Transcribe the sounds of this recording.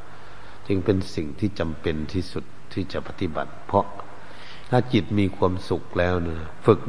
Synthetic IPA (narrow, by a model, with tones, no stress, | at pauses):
t͡ɕɯ˧ŋpe˧nsi˨˩ŋt̪ʰiː˥˩t͡ɕa˧mpe˧nt̪ʰiː˧˥˩su˨˩t̪ʰːiː˧˩t͡ɕa˨˧˩pa˧t̪ʰi˧˩ba̰˨˩t̪̚pʰɔ˧˥ʔ | naː˧˥˩ki˨˩t̪̚miː˧kʰu˧əmsu˨˩k̚lɛː˦˥˨wnɯ˧˨fɯ˨˩k̚